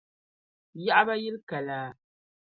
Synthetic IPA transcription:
ja˦ʔa˦ba˦jɪ˦lka˨laː˨˦

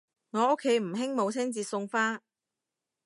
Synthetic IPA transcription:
ŋɔː˨˧ʊ˥kʰːe˨˧jm̩˨˩ɦɪ˥ŋmo˨˧wt͡sʰɪ˥ŋt͡siː˧sʊ˧ŋfaː˥

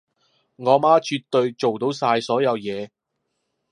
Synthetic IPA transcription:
ŋɔː˨˧maː˥t͡ʃyː˧t̪ːɵ˧ɥt͡ʃo˨wt̪o˨˥wsaː˧jsɔː˨˥jɐ˨˧wjɛː˨˧

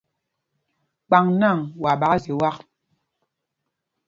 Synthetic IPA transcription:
k͡pa˨ŋna˦˨ŋwa˨ɓa˨˦a˦zi˨wa˦k̚

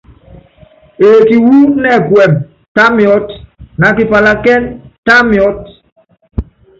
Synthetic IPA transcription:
e˨ki˨wu˦nɛ˦˨ɡwɛ˨m | ta˦mjɔ˦tna˨ki˨pa˨la˦kɛ˦nta˦mjɔ˦t̚

